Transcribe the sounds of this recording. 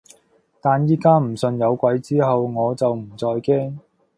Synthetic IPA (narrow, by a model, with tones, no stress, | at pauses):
t̪aː˨njiː˥kaː˥m̩˨˩sɵ˧njɐ˨˧wkʷɐ˨˥jt͡siː˥ɦɐ˨wŋɔː˨˧t͡sɐ˨wm̩˨˩t͡sɔː˧jkɛː˥ŋ